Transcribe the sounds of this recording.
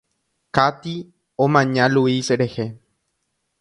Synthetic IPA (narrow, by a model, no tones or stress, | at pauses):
kat̪i | õmãɲãluisɾehe